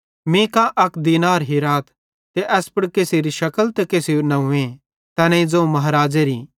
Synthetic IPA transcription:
mĩkãʔɐkd̪iːnaːɾɦiɾaːt̪ʰ | t̪eʔɛːspʊɽkeːsiɾiʃɐkəlt̪ekeːsinɐũẽ | t̪ɐnẽĩd͡zoːmɐɦɾaːd͡ʒeɾiː

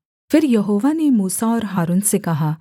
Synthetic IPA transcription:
fɪɾjɐɦoːʋanemuːsaɔːɾɦaːɾuːnsekɐɦaː

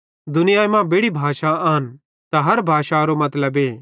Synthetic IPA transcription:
d̪ʊnɪjaːemãbeːɽibʱaːʃaaːɦən | t̪aɦɐɾbʱaːʃaɾomɐt̪ləbeː

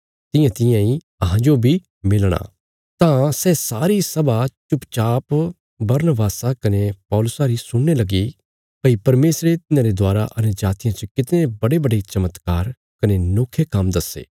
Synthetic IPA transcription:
t̪ɪ̃jãt̪ɪ̃jãi | ɐɦãd͡ʒobʱi | mɪlɽ̃a̰ | t̪ãsɛːsaːɾisɐbat͡ʃʊpt͡ʃaːp | bɐɾnəbaːsakɐnepɔːlʊsaɾisʊɽːelɐɡi | pɐipɐɾmeːsɾet̪ɪnãɾed̪aːɾa̰ʔɐnd͡ʒaːt̪ijãt͡ʃəkɪt̪nebɐɽebɐɖet͡ʃɐmət̪kaːɾ | kɐnenoːkʰekɐmd̪ɐsḛː

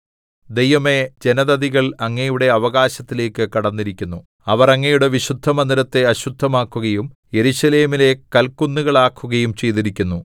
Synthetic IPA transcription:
d̪e̞jʋɐme̞d͡ʑe̞nɐðɐd̪iɣɐɭɐŋːejuɽe̞ɐʋɐɣaːɕɐt̪ːile̞ːkːɨkɐɽɐnːiɾikʲːunːu | ɐʋɐrɐŋːɐjuɽe̞ʋiɕud̪ʱːɐmɐnd̪ɾɐt̪ːe̞ɐɕud̪ʱːɐmaːkːuɣɐjumje̞ɾuɕɐle̞ːmile̞kɐlkːunːuɣɐɭaːkːuɣɐjumt͡ɕe̞jt̪iɾikʲːunːu

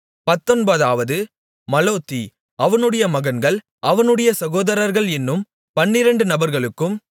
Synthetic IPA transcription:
pɐt̪ːɔnbɐðaːʋɐðɯ | mɐloːt̪ːi | ʔɐʋɐnɯɽɐjɐmɐɣɐnɡɐɭ | ʔɐʋɐnɯɽɐjɐsɐɣoːðɐɾɐɾɣɐɭɛnːɯm | pɐnːɪɾɐɳɖɯnɐbɐɾɣɐɭɯkːɯm

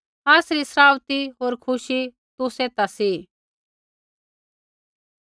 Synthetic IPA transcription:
aːsɾisɾaːwt̪iɦoːɾkʰʊʃi | t̪ʊset̪asi

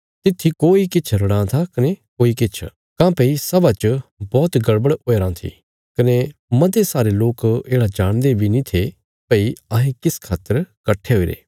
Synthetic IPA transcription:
t̪ɪt̪ʰːikoːikɪt͡ʃʰɾɐɽ̃ãt̪ʰakɐnekoːikɪt͡ʃʰ | kãːpɐisɐbat͡ʃbɔːt̪ɡɐɽbəɽoːeɾãːt̪ʰḭ | kɐnemɐd̪esaːɾeloːkeːɽad͡ʒaːɽ̃d̪ebʱinĩt̪ʰe | pɐiɐɦẽkɪskʰaːt̪ːəɾkɐʈʰeɦoːiɾḛː

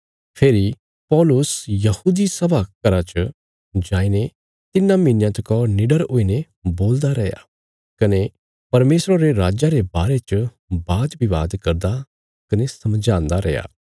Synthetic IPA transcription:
pʰeːɾi | pɔːlʊsjɐhuːd̪isɐbʱakɐɾat͡ʃ | d͡ʒaːine | t̪ɪnːãminjãt̪ɐkɔnɪɖəɾoːine | boːld̪aɾɛja̰ | kɐne | pɐɾmeːsɾaɾeɾaːd͡ʒaɾebaːɾet͡ʃ | baːd̪bʱiʋaːd̪kɐɾd̪a | kɐnesɐmd͡ʒãːnd̪aɾɛja̰ː

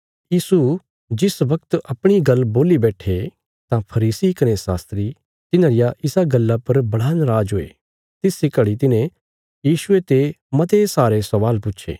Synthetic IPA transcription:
jiːsu | d͡ʒɪsʋɐk̚t̪ɐpɽ̃iɡɐlboːlibɛːʈʰe | t̪ãpʰɐɾiːsikɐnesa̰ːst̪ɾi | t̪ɪnãːɾɪjaʔɪsaɡɐlːapɐɾbɐɽ̤aːnɾaːd͡ʒɦoːḛː | t̪ɪsːɪkəɽit̪̬ɪnẽ | jiːʃʊet̪emɐt̪esaːɾesɐʋaːlpʊtːʃʰḛː

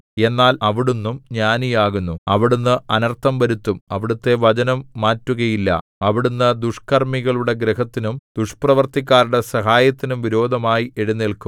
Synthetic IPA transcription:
e̞nːaːlɐʋiɽunːumɲaːnijaːɣunːuɐʋiɽunːɨɐnɐrt̪ʰːɐmʋɐɾut̪ːumɐʋiɽut̪ːe̞ʋɐt͡ɕɐnɐmːaːtːuɣɐjilːɐ̰ | ɐʋiɽunːɨd̪uʂkɐrmiɣɐɭuɽe̞ɡɾeɦɐt̪ːinumd̪̥uʂprɐʋɐrt̪ik̬ʲːaːɾuɽe̞sɐɦaːjɐt̪ːinumʋiɾo̞ːd̪ʱɐmaːjieɽunːilkum

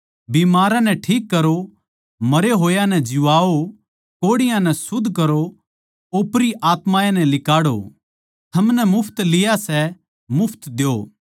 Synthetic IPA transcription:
biːmaːɾãnɛʈʰiːkːɐɾo | mɐɾeɦoːjanɛd͡ʒɪʋaːo | koːɽɪjãnɛsʊd̪ʱːkɐɾo | opɾiʔaːt̪mãːjanɛlɪkaːɽo̰ | t̪ʰɐmnɛmʊpʰt̪lɪjasɛ | mʊpʰt̪d̪eo̰ː

